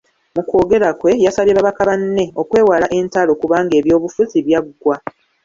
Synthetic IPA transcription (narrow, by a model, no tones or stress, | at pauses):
muko̞ːɡe̞ɾakwe̞jasaβjeβaβakaβanːe̞o̞kwe̞ːwalaʔe̞ːntalo̞kuβaːŋɡe̞ːβjo̞ːβufuziβjaɡːwa